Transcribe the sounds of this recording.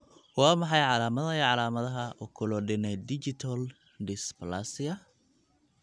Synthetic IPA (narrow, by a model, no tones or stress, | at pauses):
wɑːmɑħɑjʕɑlaːmɐðɐiʕɑlaːmɐðɐɦɐɔkʰʊlɔɖɪnɛd̪ɪt͡ʃɪt̪ʰɐl | d̪ɪsplasɪɐ